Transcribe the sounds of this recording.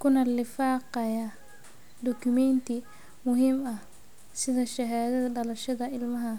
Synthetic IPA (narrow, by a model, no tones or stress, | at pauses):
kʰʊnɐlɪfɑːqɐjɐ | d̪ɔkʰʊmɛnt̪ʰɪ | mʊɦiːmɐh | sɪðɐʃɐɦaːðɐðɐɖɐlɐʃɐðɐɪlmɐɦɐ